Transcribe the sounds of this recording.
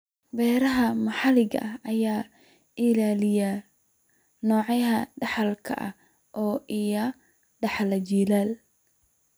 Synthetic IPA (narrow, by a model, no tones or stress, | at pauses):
bɛːɾɐɦɐmɑħɑlɪɡɐ̰ʔɐɐjaː | ʔɪlaːlɪja | nɔːʕɑjɐɦɐɖɑħɑlkʰɐ̰ʔɐ̰ | ʔɔːʔɪjɐ | ɖɑħlɐd͡ʒilaːl